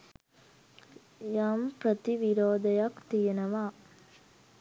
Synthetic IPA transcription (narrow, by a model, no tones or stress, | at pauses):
jaːmpɾɐt̪iʋiɾoːd̪ɐjɐkt̪ijɐnɐʋaː